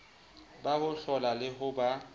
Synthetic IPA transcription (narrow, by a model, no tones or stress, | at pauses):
baɣʊɬɔlalɪɦʊba